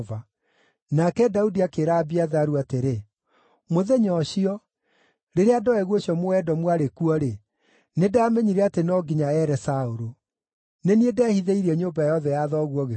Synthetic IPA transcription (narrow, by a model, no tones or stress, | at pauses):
va | nakɛdaudiakeɾabiaðaɾuateɾe | moðeɲɔɕiɔ | ɾeɾeadɔɛɣwoɕiɔmoɛdɔmwaɾekuɔɾe | nedaːmɛɲiɾɛatenɔːɡiɲaɛɾɛsaoɾo | neniedɛːhiðeiɾɛɲoːbajɔðɛjaðɔɣwɔɣe